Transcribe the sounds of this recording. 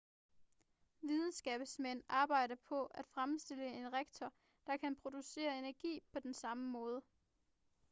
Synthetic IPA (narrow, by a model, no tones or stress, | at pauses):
ʋið̞ˠn̩sɡ̥ɛːb̥smen̰ɑ̈ːb̥ɑ̈ɪ̰ɾɐpʰɒ̽æd̥fʁamsd̥e̝ləe̝nʁeɡ̥̚t͡sʰɒ | d̥ɑ̈kʰænpʰʁo̝d̥use̝̰ːɐe̝næɐɡ̥ḭːpʰɒ̽d̥ensɑ̈məmɔ̽ːð̞ˠə